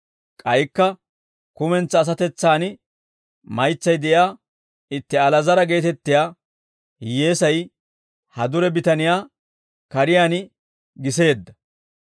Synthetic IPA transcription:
kʼɐjkːɐ | kʊmɛnt͡sːɐːs̬ɐt̪ɛt͡sːaːnɪ | mɐjt͡sːɐjd̪ɛʔɪaː | ɪt̪ːɛɐlɐzɐɾɐɡe̞ːt̪ɛt̪ːɪjaː | jeːsɐj | hɐd̪ʊɾɛbɪt̪ɐnɪjaː | kɐɾɪjaːnɪ | ɡɪse̞ːd̪ːɐ

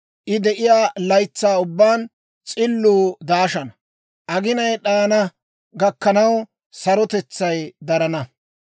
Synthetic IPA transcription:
ʔɪd̪ɛʔɪjaːlɐjt͡sːaːʊbːaːn | t͡sʼɪlːuːd̪aːʃɐnɐ | ʔɐɡɪnɐjɗaːnɐ | ɡɐkːɐnɐw | sɐɾɔt̪ɛt͡sːɐjd̪ɐɾɐnɐ

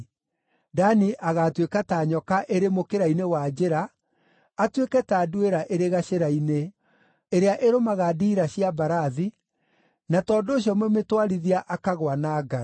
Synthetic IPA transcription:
daniʔaɣatwekataːɲɔkaʔeɾemokeɾainewad͡ʑeɾaː | twekɛtaːdueɾaʔeɾeɣaɕeɾaine | eɾeaʔeɾomaɣadiɾaɕiabaɾaði | natɔːndoːɕjɔmɛmetwaɾiðiaʔakaɣwanaːɡa

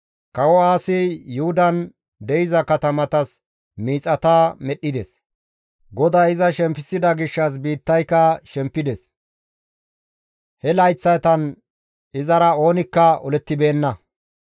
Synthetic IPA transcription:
kɐwɔaːsɪjʊhʊd̪ɐn | d̪ɛjɪzɐkɐt̪ɐmɐt̪ɐs | miːt͡sʼɐt̪aːmɛɗːɪd̪ɛs | ɡɔd̪aːɪzɐʃɛmpːɪsɪd̪ɐɡɪʃːɐs̬biːt̪ːɐjkɐʃɛmpːɪd̪ɛs | hɛlɐjt͡sːɐt̪ɐn | ɪzɐɾɐo̞ːnɪkːɐɔlɛt̪ːɪbe̞ːnːɐ

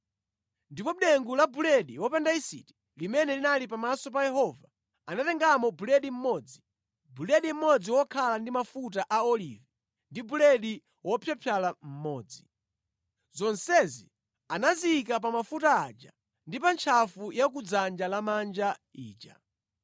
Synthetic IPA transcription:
ndipɔɗɛŋɡulabulɛɗiwɔpɛndaisḭti̥ | limɛnɛlinalipamasɔp̬ajɛhɔva | anatɛŋɡamɔbulɛɗim̩mɔːd͡zi | bulɛɗim̩mɔd͡ziwɔkʰalandimafutaʔaɔlivɛ | ndibulɛɗi | wʔɔpʰjapʰjalam̩mɔːd͡zi | zɔnsɛzḭ | anaziːkap̬amafutaad͡ʒa̰ | ndipant͡ʃʰafujak̬ud͡zand͡ʒalamand͡ʒaḭːd͡ʒa̰

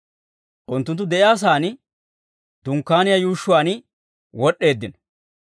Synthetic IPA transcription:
ʔʊnt̪ːʊnt̪̬ːʊd̪ɛʔɪjaːs̬aːnɪ | d̪̥ʊŋkːaːnɪjajuːʃːʊwaːnɪ | wɔɗːe̞ːd̪ːɪnɔ

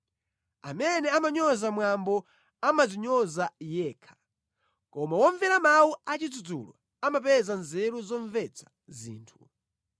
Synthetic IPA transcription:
a̰mɛnɛamaɲɔzamwambɔ | amaziɲɔzajɛːkʰḁ | kɔmawɔɱvɛɾamawuat͡ʃid͡zud͡zṵlɔ̰ | amap̬ɛzanzɛɾuzɔɱvɛt͡sʰḁ | zḭːntʰu

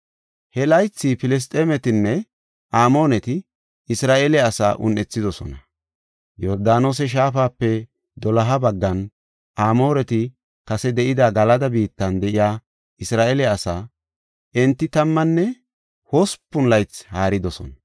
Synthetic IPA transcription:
hɛlɐjt͡sːipɪlɛs̬t̪ʼeːmɛt̪ɪnːɛ | ʔaːmo̞ːnɛt̪ɪ | ɪsɾaːʔeːlɛɐsa̰ːʔʊ̰nʔɛt͡sːɪd̪ɔsɔ̰nɐ | jɔɾd̪aːno̞ːs̬ɛʃ̬aːfaːpːɛ | d̪ɔlɐɦɐbɐɡːɐn | ʔaːmo̞ːɾɛt̪ɪ | kɐsɛd̪ɛʔɪd̪aɡɐlɐd̪ɐbiːt̪ːɐnd̪ɛʔɪjaː | ɪsɾaːʔeːlɛɐsaː | ʔɛnt̪ːɪt̪ɐmːɐnːɛ | hospːʊnlɐjt͡shaːɾɪd̪ɔsɔ̰nɐ

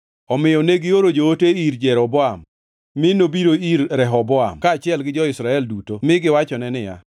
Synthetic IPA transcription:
ɔmɪjɔneɡɪoɾod͡ʒooteiɾd͡ʒɛɾɔbɔamː | ɪnobiɾoiɾɾɛɦɔbɔa̰mkaːt͡ʃɪɛlɡɪd͡ʒɔɪsɾaɛldutomɪɡɪwat͡ʃɔnɛnɪja̰

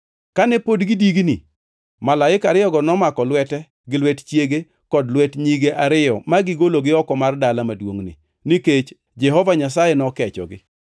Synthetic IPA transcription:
kanɛpodɡɪdiɡni | malaɪkaɾɪjɔɡɔnɔmakɔlwɛtɛ | ɡɪlwɛtt͡ʃjeɡe | kɔdlwɛtɲiɡeʔaɾɪjɔmaɡɪɡoloɡɪɔkɔmardalamadwoŋnɪ̰ | niket͡ʃ | d͡ʒɛɦɔvaɲasajɛnɔkɛt͡ʃɔ̰ɡɪ

